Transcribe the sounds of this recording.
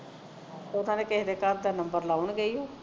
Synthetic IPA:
nãːneːkɪɦd̪eːkəɾd̪aːnəmbəɾlaːʊɳɡəiːɦoː

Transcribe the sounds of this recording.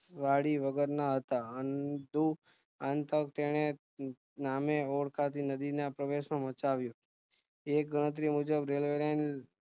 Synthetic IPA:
ʋaɽiʋəɡəɾnaɦət̪aənd̪u | ant̪ək̚t̪eɽ̃e | nameoɽkʰat̪ʰinəd̪inapɾəʋeʃmãmət͡ʃaʋjũ | ek̚ɡəɽ̃ət̪̬ɾimud͡ʒəbɾelʋeɾajn

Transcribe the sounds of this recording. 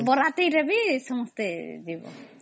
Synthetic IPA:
bɔɾat̪ejɾabisɔmɔst̪edibɔ̰

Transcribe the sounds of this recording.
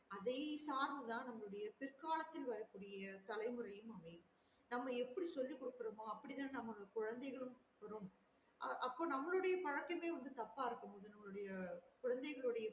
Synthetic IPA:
ɐðɐɪsaːɾmɐt̪ãːnɐmːɐɭɯɽɐjɐpɪrkaːlɐt̪ːɪlʋɐɾɐkːuːɽɪjɐt̪ɐlɐɪmɯɾɐjɯmɐmɐɪ | nɐmːɐɛpːɐɽisɔlːikːɔɽɯkːɯɾɐmoːɐpːɐɽit̪aːnnɐmːɐkʊɻɐnd̪ɐɪɣɐɭɯm | ʋɐɾɯm | ʔɐʔɐpːoːnɐmːɐɭɯɽɐjɐpɐɻɐkːɐmeːʋɐnd̪ɯt̪ɐpːaːɪɾɯkːɯmpoːðɯnɐmːɐɭɯɽɐjɐkʊɻɐnd̪ɐɪɣɐɭɯɽɐjɐ

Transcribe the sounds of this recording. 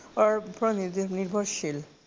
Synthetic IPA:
ɔɾpɾonid̪iniɾbʱɔɾʃil

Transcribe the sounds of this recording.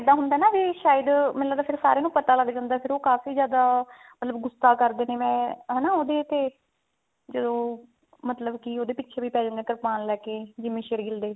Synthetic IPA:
d̪aːɦʊnd̪aːnaːʋiʃaːjəd̪mɛlaːd̪aːpʰɪɾsa̰ːɾeːnũːpət̪aːləɡd͡ʒãːnd̪aːpʰɪɾoːkaːfiːzjaːd̪aː | mət̪ləbɡʊsaːkəɾd̪eːneːmɛ̃ːɦɛːnaːoːd̪eːt̪eː | d͡ʒəd̪õː | mət̪ləbkioːd̪eːpɪtːʃʰeːbiːpɛːd͡ʒãːnd̪ẽːk̪əɾpaːnlɛːkeːd͡ʒɪmẽːʃeːɾɡɪld̪eː

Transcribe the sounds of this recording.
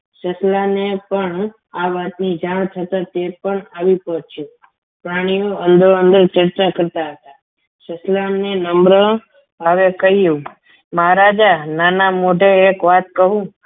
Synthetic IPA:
ʃəslanepəɳ | aʋat̪nid͡ʒaɽ̃t̪ʰət̪at̪epəɳaʋipɔɦt͡ʃʰũ | pɾaɽ̃ijoənd̪ɾoənd̪əɾt͡ʃəɾt͡ʃakəɾt̪aɦət̪a | ʃəslanenəmbɾə | əʋekəɦijũ | məɦɾad͡ʒananamoɖʱeːkʋat̪̚kəɦũ

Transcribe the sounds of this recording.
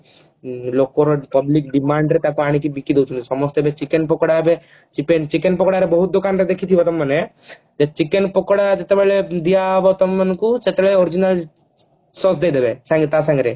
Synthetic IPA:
lokɔɾpɔblikɖimaɳɖɾet̪akuaɽ̃ik̬ibikid̪ewt͡ʃʰunt̪isɔmɔst̪ɔɛbet͡ʃikenpɔkɽaɦɛbe | t͡ʃipent͡ʃikenpɔkɽaɾebɔɦut̪̚d̪okanɾed̪ekʰit̪ʰibɔt̪ɔmːane | d͡ʒet͡ʃikenpɔkɽad͡ʒet̪ebaled̪ijaɦbɔt̪ɔmːankuset̪ebɭeɔɾid͡ʒinal | sɔsd̪ejd̪ebesaŋɡet̪asãŋɾe

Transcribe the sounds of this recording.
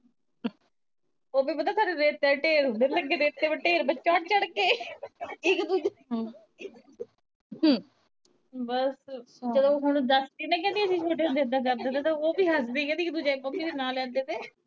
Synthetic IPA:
oːbiːpət̪aːt̪ʰaːɽeɾeːt̪ːɛʈeːɾɦʊ̃nd̪eːləɡːeːd̪eːt̪ːeːʋeʈeːɾbət͡ʃːɔːʈt͡ʃəɽkeː | ɪkd̪uːd͡ʒ | ɦ | bəs | d͡ʒəd̪õːɦʊɽ̃d̪əst̪iːnɛ̃ːk̬ɛ̃ːnd̪iːəsĩːt͡ʃʰoːʈ̬eːɦʊ̃nd̪eːd̪aːk̬əɾd̪eːt̪aːt̪ãːoːbiːɦəsbiːkɛ̃ːd̪iɪk̚d̪uːd͡ʒekːomiːɾeːnaːlɛ̃ːnd̪eːt̪eː

